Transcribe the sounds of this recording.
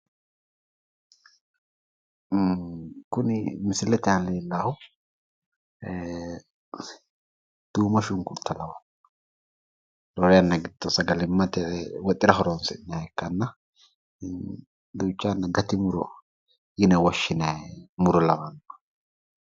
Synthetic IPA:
kʊnɪmɪsɪlɛt̪ɪaleːlːaːhʊ | d̪̥uːmɐʃʊŋkʊt̪ʰːɐlɐwɐn | ɾɔɾɛjɐnːɐɡɪd̪ɔsɐɡɐlɪmːɐt̪ɛwɔt̪ʼːɪɾɐɦɔɾonsɪnɐɛkːɐnːɐ | d̪uːt͡ʃːaːnːɐɡɐt̪ɪmʊɾɔ̰ | jɪnɐwɐʃːɪnɛmʊɾɔlɐwɐnɔ̥

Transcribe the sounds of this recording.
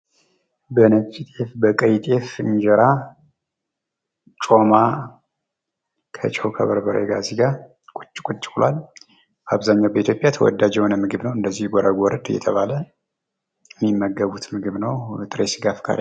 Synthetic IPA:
bənət͡ʃʼit̪ʼe̞fbəkʼəjt̪ʼe̞fɨɲd͡ʒɛɾa | t͡ʃʼo̞ma | kʰə̰t͡ʃʼɛwkʰəβəɾbəɾḛɡaziɡa | kʼut͡ʃʼːkʼut͡ʃʼːkʼlal | baβzaɲːawbəit̪ʰjo̞pʼjat̪ʰəwɔ̰d̪ːad͡ʒɛwnəmːɨɡɨβnəwɨnd̪əzːihɡʷɔɾəɡɔɾəd̪ɨjɛ̰t̪ʰəβalə | jmːimːəɡːəβut̪mɨɡɨβnəwt̪ʼɨɾesɡafkʰa̰ɾ̰

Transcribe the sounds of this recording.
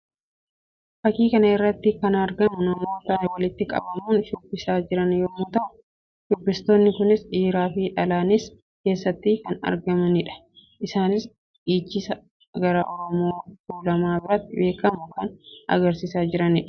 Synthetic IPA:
fɐkiːkɐnɐɪrːɐt̪ːɪkɐnɐɾɡɐmʊnɐmo̞ːt̪ɐɛwɐlɪt̪ːɪkʼɐ̰bɐmuːnʃʊbːɪsaːd͡ʒɪɾɐnjoːmʊt̪ɐʔʊ | dʊbːɪst̪o̞ːnːɪkʊnɪsᶑiːɾaːfɪᶑɐlaːnɪs | ke̞ːsːɐt̪ːikɐnɐ̰ɾɡɐmɐnɪᶑɐ̥ | ʔɪsaːnɪs | ʔiːt͡ʃːɪsɐ | ɡɐɾaʔɔɾɔmoːfuːlɐmaːbɪɾɐt̪ːɪbe̞ːkɐmʊkɐnɐ̰ɡɐɾsɪsaːd͡ʒɪɾɐnɪᶑɐ̥

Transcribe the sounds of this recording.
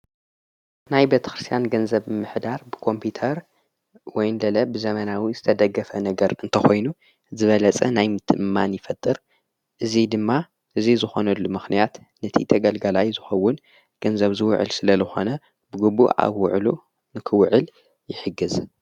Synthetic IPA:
najbe̞t̪ʰɐ̥xɾɨst̪ʰjanɡɐnzɐbɨmɨħd̪aɾbɨkʰo̞mpʰit̪ʰɐɾ | wɔjnlɐlɐbɨzɐmɐnawizɨt̪ʰɐd̪ɐɡːɐfɐnɐɡɐɾɨnt̪ʰɐxo̞jnu | zɨβɐlɐt͡sʼɐnajmɨt̪ʰɨʔmːanjɪfɐt̪ʼːɨɾ | ʔɨzid̪ɨmːa | ʔɨzizɨxo̞nɐlːumɨxnijat̪ | nɐt̪ʰḭt̪ʰɐɡɐlɡɐlajzɨxɐwːʊn | ɡ̥ɐnzɐβzɨw̰ʕɨ̰lsɨlɐzɨxo̞nɐ | bɨɡubṵʔa̰βːʊ̰ʕlu | nɨkʰɨwʊʕɨl | jɪħɨɡɨz

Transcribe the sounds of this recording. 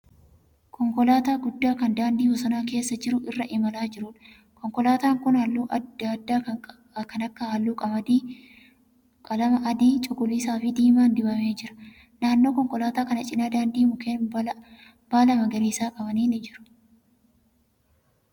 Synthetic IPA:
kʰɔŋkɔlaːt̪aːɡʊd̪ːaːkɐnd̪aːnd̪iːhɔsɐnaːke̞ːsːɐd͡ʒɪɾʊʔɪrːɐʔɪmɐlaːd͡ʒɪɾʊᶑ | kɔŋkɔlaːt̪aːŋkʊnhɐlːuːʔd̪ːaː | kɐnɐkːɐhɐlːuːkʼɐbɐd̪iː | kʼɐlɐmɐʔɐd̪iːt͡ʃʼʊɡʊliːsaːfɪd̪iːmaːnd̪ɪbɐmeːd͡ʒɪɾɐ̥ | naːnːo̞ːkɔŋkɔlaːt̪aːkɐnɐt͡ʃʼɪnaːd̪aːnd̪iːmʊkeː | b̥aːlɐmɐɡɐɾiːsaːkʼɐbɐniːnɪd͡ʒɪɾʊ̥

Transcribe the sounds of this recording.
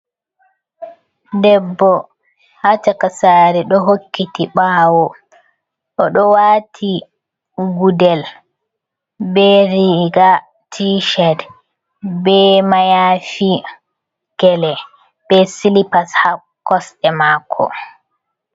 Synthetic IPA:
dɛbːɔ | hat͡ʃakasaːɾɛɗɔɦokːitiɓaːwɔ | ʔɔɗɔwaːtʰi | ɡudɛl | bɛɾiɡa | tʰiʃɛd | bɛmajaːfi | ɡ̥ɛlɛ | b̥ɛsilipasha | kːɔsɗɛmakʰːɔ̰

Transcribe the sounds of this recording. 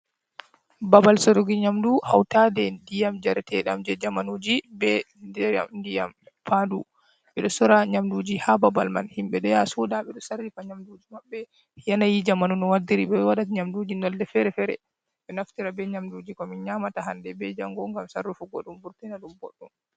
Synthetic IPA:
babalsɔɾɔɡiɲamduha̰wtadɛdijamd͡ʒaɾɛtʰɛɗa̰md͡ʒɛd͡ʒamanud͡ʒibɛ | dɛa̰mndija̰m | pʰandu | ɓɛɗɔsɔɾaɲamdud͡ʒihababalma̰nhimɓɛɗɔjasɔdaɓɛɗɔsarːifaɲamdud͡ʒimaɓːɛ | janajid͡ʒamanunɔwadiɾiɓɛwaɗatɲamdud͡ʒinɔldɛfɛɾɛfɛɾɛ̰ | ɓɛnaftiɾabɛɲamdud͡ʒikɔmiɲamataɦandɛbɛd͡ʒaŋɡɔŋɡamsarːufuɡɔ̰ɗumbuɾtinaɗumbɔ̰ɗːum

